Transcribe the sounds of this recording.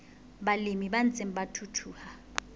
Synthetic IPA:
ɓalimiɓant͡sʼem̩ɓatʰutʰuːha

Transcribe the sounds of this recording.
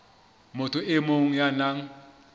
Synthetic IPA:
motʰʊʔɪmoŋ̩janaŋ̩

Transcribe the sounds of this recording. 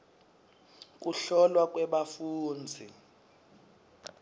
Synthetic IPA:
k̬ʼuɬɔlwak̬ʼwɛɓafuːnd͡zʱi

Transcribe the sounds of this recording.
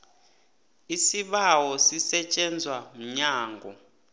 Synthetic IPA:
isiɓawɔsisɛt͡ʃʼɛnd͡zʱwam̩ɲaːŋɡʱɔ

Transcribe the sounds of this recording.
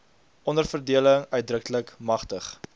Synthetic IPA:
ʔɔndərfərdiələŋœɥt̚drəkləkmɐχtəχ

